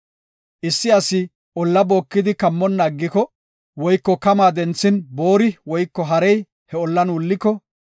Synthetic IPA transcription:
ʔɪsːɪɐsɪ | ʔɔlːɐbo̞ːkːɪd̪ɪkɐmːɔnːaːɡːɪkɔ | wɔjkːɔkɐmaːd̪ɛnt͡sːɪnbo̞ːɾɪwɔjkːɔɦɐɾɛj | hɛɔlːɐnwʊlːɪkːɔ

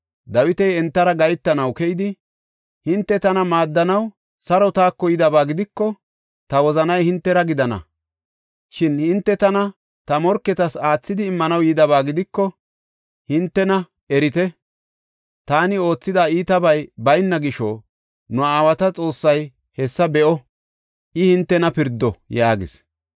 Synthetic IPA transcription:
d̪ɐwɪt̪ɛjɛnt̪ːɐɾɐɡɐjt̪ːɐnɐwkɛjɪd̪ɪ | hɪnt̪ːɛt̪ɐnɐmaːd̪ːɐnɐw | sɐɾɔt̪aːkːɔjɪd̪ɐbaːɡɪd̪ɪkːɔ | t̪ɐwɔzɐnɐjhɪnt̪ːɛɾɐɡɪd̪ɐnɐ̰ | ʃɪnhɪnt̪ːɛt̪ɐnɐ | t̪ɐmɔɾkːɛt̪ɐsaːt͡sːɪd̪ɪːmːɐnɐwjiːd̪ɐβaːɡɪd̪ɪkːɔ | hɪnt̪ːɛnɐ | ʔɛɾɪt̪ɛ | t̪aːnɪo̞ːt͡sːɪd̪aːiːt̪ɐbɐjbɐjnːɐɡɪʃɔ | nʊaːwɐt̪ɐt͡sʼo̞ːsːɐj | hɛsːɐbɛʔɔ | ʔɪhɪnt̪ːɛnɐpɪɾd̪ːɔjaːɡɪ̰s

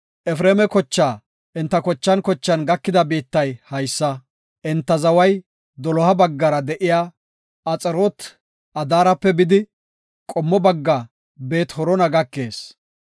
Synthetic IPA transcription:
ʔɛfɾeːmɛkɔt͡ʃːaː | ʔɪnt̪ːɐkɔt͡ʃːɐnkɔt͡ʃːɐnɡɐkːɪd̪ɐbiːt̪ːɐjhɐjsːɐ | ʔɪnt̪ːɐzɐwɐj | d̪ɔlɔhɐbɐɡːɐɾɐd̪ɛʔɪjaː | ʔɐt͡sʼɛɾoːt̪ | ɐd̪aːɾɐpːɛbɪd̪ɪ | kʼɔmːɔbɐɡːa | be̞ːt̪hɔɾɔnɐɡɐkːe̞ːs

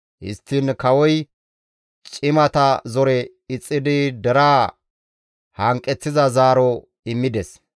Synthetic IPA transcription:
hɪ̰st̪ːɪnkɐwɔj | t͡ʃʼɪmɐt̪ɐzɔɾɛ | ɪt͡sʼːɪd̪ɪd̪ɛɾaː | hɐŋkʼːɛt͡sːɪzɐzaːɾɔ | ɪmːɪd̪ɛs

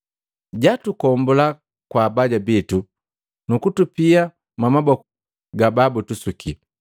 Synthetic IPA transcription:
ɟatukɔmbula | kwaːbaɟabitu | nukutupia | mwamabɔk | ɡababutusuki

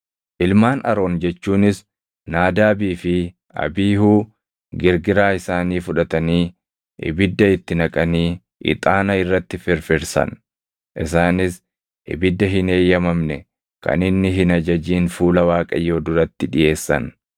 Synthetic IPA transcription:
ʔɪlmaːnʔɐ̰ɾo̞ːnd͡ʒɛt͡ʃːuːnɪs | naːd̪aːbiːfɪ | ɐ̰biːhuː | ɡɪɾɡɪɾaːɪsaːniːfʊᶑɐt̪ɐniː | ʔɪ̰bɪd̪ːɐɪt̪ːɪnɐkʼɐniː | ʔɪ̰t̪ʼaːnɐɪrːɐt̪ːɪfɪɾfɪɾsɐ̰n | ʔɪsaːnɪs | ʔɪ̰bɪd̪ːɐɦɪneːjːɐmɐmnɛ | kɐ̰nɪnːɪɦɪnɐd͡ʒɐd͡ʒiːnfuːlɐwaːkʼɐ̰jːo̞ːd̪ʊɾɐt̪ːɪᶑɪje̞ːsːɐ̰n

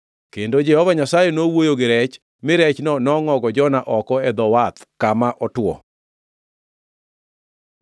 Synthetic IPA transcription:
kendod͡ʒɛhɔvaɲasajenowojoɡɪɾɛt͡ʃ | mɪɾɛt͡ʃnɔnɔŋɔɡɔd͡ʒɔnaʔɔkɔɛd̪ɔwat̪kamaʔɔtwɔ̰

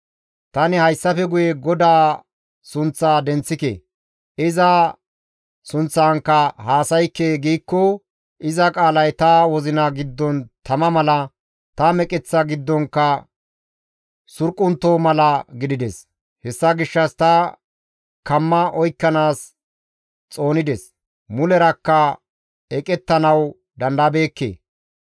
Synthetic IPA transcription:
t̪ɐnɪhɐjsːɐfɛɡʊjɛɡɔd̪aː | sʊnt͡sːaːd̪ɛnt͡sːɪkḛ | ɪzɐ | sʊnt͡sːaːŋkːɐhaːsɐjkːeːɡiːkːɔ | ʔɪzɐkʼaːlɐjt̪ɐwɔzɪnɐɡɪd̪ːɔnt̪ʰɐmɐmɐlɐ | t̪ɐmɛkʼɛt͡sːɐɡɪd̪ːɔŋkːɐ | sʊɾkʼːʊnt̪ːoːmɐlɐɡɪd̪ɪd̪ɛs | hɛsːɐɡɪʃːɐst̪ɐ | kɐmːɐʔɔjkːɐnaːs | t͡sʼo̞ːnɪd̪ɛs | mʊlɛɾɐkːɐ | ɛkʼɛt̪ːɐnɐw | d̪ɐnd̪ɐbe̞ːkːḛː

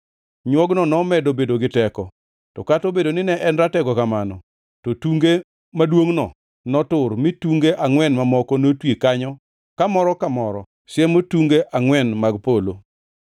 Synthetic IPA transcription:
ɲwɔɡnɔnɔmɛdobedoɡɪtɛkɔ | tɔkatobedonɪnɛʔɛnɾatɛɡɔkamanɔ̰ | totuŋɡe | madwoŋnɔ | nɔtʊɾmɪtuŋɡeʔaŋwɛnmamɔkɔnotwekaɲɔ | kamɔɾɔkamɔɾɔ | ʃɛmotuŋɡeʔaŋwɛnmaɡpolo

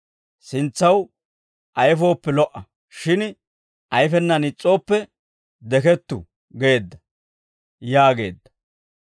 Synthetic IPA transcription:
sɪnt͡sːɐw | ʔɐjfo̞ːpːɛlɔʔːɐ | ʃɪn | ʔɐjfɛnːɐnɪt͡sʼːo̞ːpːɛ | d̪ɛkɛt̪ːʊ̰ | ɡe̞ːd̪ːɐ | jaːɡe̞̰ːd̪ːɐ̥

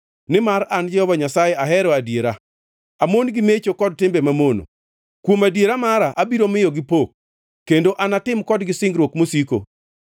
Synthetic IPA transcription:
nɪmaɾand͡ʒɛhɔvaɲasajeʔaɦɛɾɔadjeɾa | amonɡɪmet͡ʃokɔd̚tɪmbɛmamono̰ | womadjeɾamaɾaʔabiɾomɪjoɡɪpok̚ː | endoʔanatɪmkɔdɡɪsɪŋɡɾwokmosiko̰

